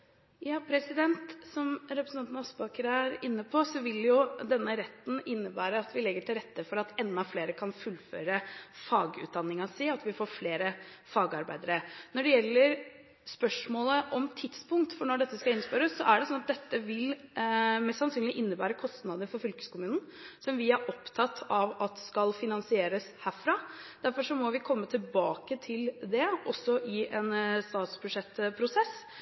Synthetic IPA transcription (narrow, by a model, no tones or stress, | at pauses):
jɑːpʰɾɛsɪd̪ɛnt̪sɔmɾɛpɾsɑnt̪nɑɔsbɑːkəɾəæɾɪnːəpʰɔsɔʋɪljʊd̪ɛnːəɾɛt̪ːn̩ʔɪnːəbæːɾəɑt̪ʰʋɪlɛɡːəʈʰɪlɾɛt̪ːəfɔɾɑt̪ɛnd̪ːɑfleːɾəkʰɑnfʉlːfø̰ːɾəfɑːɡʉ̰t̪̚d̪ɑnːɪŋɑsiɑt̪ʋɪfoːɾfleːɾəfɑːɡɑɾbæɪd̪əɾənɔɖɛjɛlːəɾ | spœʂmoːləʔɔmt̪ʰɪt̪spʊŋkt̪fɔɳɔɖɛt̪ːəskɑɪnspøɾəsːɔʔæɖɛsɔnːɑt̪̚d̪ɛt̪ːəʋɪl | mɛsːɑnsyːnlɪʔɪnːəbæːɾəkʰɔst̪nɑd̪əɾfɔɾfʏlkə̥skʰʊmʉːn̩ | sɔmʋɪæɾʔɔpt̪ʰɑt̪ʰːɑʋɑt̪skɑlfɪnɑnsɪeːɾəshæːɾfɾɑːd̪̥æɾfɔʂɔmɔʋɪkʰɔmːət̪ʰɪlbɑːkət̪ʰɪld̪ɛɔsːɔʔɪɛnst̪ɑːt̪sbʉʂɛt̪ːpʰɾʊsɛs